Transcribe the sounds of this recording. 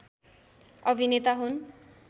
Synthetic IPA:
ʌbʱinet̪aɦun

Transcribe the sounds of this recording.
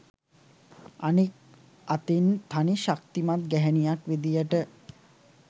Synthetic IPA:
anik | at̪int̪ʰaniʃak̚t̪imat̪̚ɡɛɦænijakʋid̪ijəʈə

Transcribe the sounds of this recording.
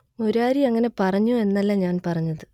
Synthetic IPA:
oɾaːɾiɐŋːɐnepɐrɐɲːue̞nːɐlːɐɲaːnpɐrɐɲːɐðɨ

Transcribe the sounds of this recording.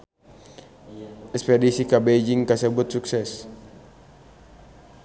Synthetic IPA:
ɛkspedisikabed͡ʒiŋkasəbut̪̚suksɛs

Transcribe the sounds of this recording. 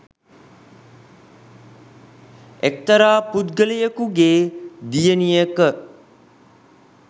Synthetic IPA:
ek̚t̪əɾaːpud̪ɡəlijəkuɡeːd̪ijənijəkə

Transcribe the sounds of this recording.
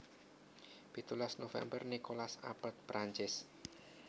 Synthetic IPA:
pit̪ulasnofɛ̰mbərnikolasa̰pət̪̚pɾʔaɲt͡ʃɪs

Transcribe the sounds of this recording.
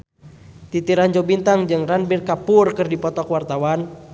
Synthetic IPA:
t̪it̪iɾaɲd͡ʒɔbint̪aŋd͡ʒɨŋranbirkapʊrkɨrdipɔt̪ɔkwart̪awan

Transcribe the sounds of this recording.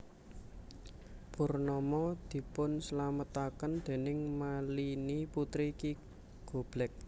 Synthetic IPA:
purnɔmɔd̪̥i̤pʊnslamət̪akənd̪̥e̤nɪŋmaliniput̪ɾiki | ɡ̥o̤b̥lɛk̚

